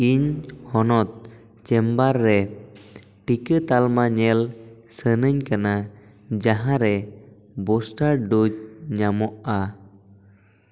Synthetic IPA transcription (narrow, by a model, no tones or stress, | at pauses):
iɲhɔnɔt̪̚ | t͡ʃɛmbaɾːɛ | ʈikət̪almaɲɛlsənəɲkana | d͡ʒaɦãɾɛ | bɔsʈaɾɖud͡ʒɲamɔʔa